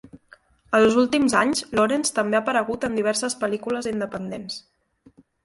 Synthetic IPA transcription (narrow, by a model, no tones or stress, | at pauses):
əlˠzulˠt̪imzaɲzloɾenst̪əmbeəpəɾəɣ̞ut̪əmd̪iβ̞ɛɾsəspəlikuləzind̪əpənd̪ens